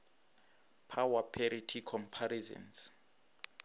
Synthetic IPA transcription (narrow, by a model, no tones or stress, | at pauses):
pʰawapʰɛɾitʰikʰɔmpʰaɾizɔ̰ns